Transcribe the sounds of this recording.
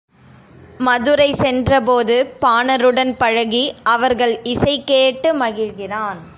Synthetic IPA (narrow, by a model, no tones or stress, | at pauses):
mɐðɯɾɐɪsɛndrɐpoːðɯpaːnɐɾɯɽɐnpɐɻɐɣiʔɐʋɐɾɣɐɭɪsɐɪkːeːʈːɯmɐɣɪlɣɪraːn